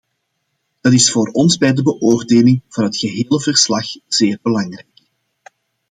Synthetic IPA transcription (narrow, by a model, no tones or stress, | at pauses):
d̥ɑtɪsfoːɾɔnzbɛjdəbəʔoːrdeːlɪŋv̥ɑnɦətxəɦeːləvərslɑxz̥eːrbəlɑŋrɛjk